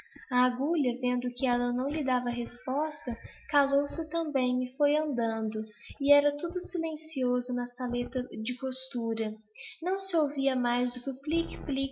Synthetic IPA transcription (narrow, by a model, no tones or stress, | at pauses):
ɐaɡuʎɐvẽnd̪ʊkɪɛlɐnɐ̃w̃lɪd̪avɐɦespɔst̪ɐkalowsɪt̪ɐ̃mbẽj̃ɪfojɐ̃nd̪ɐ̃nd̪ʊɪɛɾɐt̪ud̪ʊsilẽsiozʊnɐsalet̪ɐd͡ʒɪpost̪uɾɐ | nɐ̃w̃sɪowviɐmajzd̪ʊkʲɪʊflikplik